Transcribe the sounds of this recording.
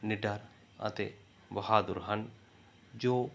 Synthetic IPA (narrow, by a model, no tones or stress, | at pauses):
nɪɖɐɾ | ɐ̰t̪e | bɐhaːd̪ʊɾɦɐn | d͡ʒoː